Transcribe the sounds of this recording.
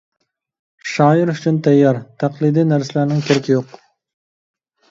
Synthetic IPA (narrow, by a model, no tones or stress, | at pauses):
ʃɑːɪɾʊt͡ʃʰynt̪ʰæjːɑɾt̪ʰæqlˠɨjd̪inæɾsɪlæɾnɪŋkʲʰeɾɪkʲijoq